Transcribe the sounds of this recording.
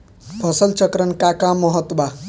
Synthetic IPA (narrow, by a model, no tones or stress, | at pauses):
pʰʌsəlt͡ʃʌkɾənkakãmɔɦət̪ba